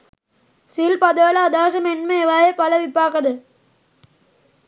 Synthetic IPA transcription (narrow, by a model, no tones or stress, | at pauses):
silpɐd̪ɐʋɐlɐːd̪aːʂɐmenmɐeʋaːjepɐlɐʋipaːkɐd̪ɐ